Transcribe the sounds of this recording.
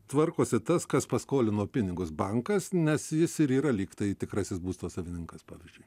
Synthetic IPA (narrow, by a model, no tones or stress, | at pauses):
t̪ʋɐrkoːsʲɪt̪ɐskɐspɐskoːlʲɪnoːpʲɪnʲɪɡʊsbɐŋkɐsnʲɛsjɪsɪɾiːɾɐlʲiːkt̪ɐɪt̪ʲɪkɾɐsʲɪsbuːst̪oːsɐʋʲɪnʲɪŋkɐspɑːʋʲɪzʲd͡ʒʲʊɪ